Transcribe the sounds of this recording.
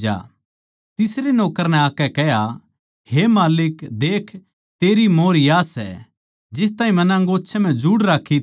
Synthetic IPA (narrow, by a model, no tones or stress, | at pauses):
a̰ː | t̪ɪsɾenɔːkəɾnɛ̃aːkɛkɛɦja | hemaːlɪkd̪eːkʰ | t̪eːɾimoːɾjaːsɛ̰ | d͡ʒɪs̬t̪aːĩmɐnɐ̃ŋɡoːʃʰɛm̤ɛ̃d͡ʒuːɽɾaːkʰi